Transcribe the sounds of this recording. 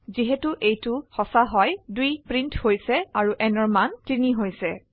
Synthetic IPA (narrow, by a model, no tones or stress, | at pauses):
ziɦɛtuʔejtʊxɔsaɦɔjdujpɹintʰhojsɛaɹuʔɛnɔɹmantiniɦojsɛ